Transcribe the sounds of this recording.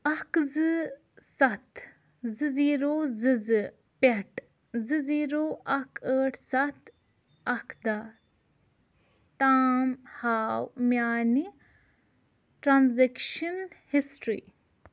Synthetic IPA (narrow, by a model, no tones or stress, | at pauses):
ɐkzɨ | sɐt̪ | zɨziːɾoːzɨzɨ | peʈ | zɨziːɾoːʔɐkʰəːʈʰsɐt̪ | ɐkʰd̪a | t̪aːmhaːwmjaːni | ʈɾanzekʃɐnhisʈɾḭː